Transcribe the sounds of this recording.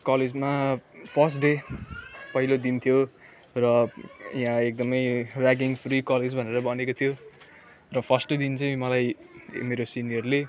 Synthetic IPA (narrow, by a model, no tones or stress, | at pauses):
kʌled͡zmapʰʌsʈɖe | pʌɦilod̪int̪ʰjo | rʌjãek̚d̪ʌmʌjraɡiŋpʰrikʌled͡zbʱʌneɾʌbʌnekot̪ʰjo | rʌpʰʌsʈod̪int͡saj̃mʌlajmeɾosinjʌrle